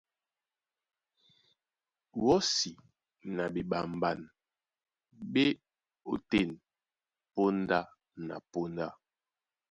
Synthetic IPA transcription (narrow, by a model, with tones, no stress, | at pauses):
wɔ˦si˨ | na˨bi˨ba˨m˨ba˨n | be˦ | o̰˨te˦˨n | po˦n˦da˦ | na̰˨po˦nda˦